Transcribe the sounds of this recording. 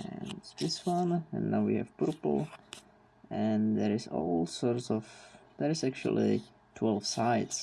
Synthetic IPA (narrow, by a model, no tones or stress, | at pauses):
ɨ̃nðɪswʌ̃nɨ̰̃nːnaʊwihɨ̰v̥pəɹpl̩ˠ | ɨ̃nðəɹɪzɔ̰lˠsɔɹtsɔvðəɹɨzæk̚t͡ʃṵl̩ˠḭ | tʰwɛlˠv̥saɪts